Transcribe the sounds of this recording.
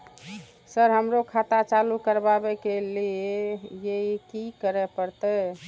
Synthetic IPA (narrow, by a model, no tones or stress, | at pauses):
səɾɦəmɾokʰat̪at͡ʃalukəɾbabekeliejeikikəɾɛpəɾt̪ə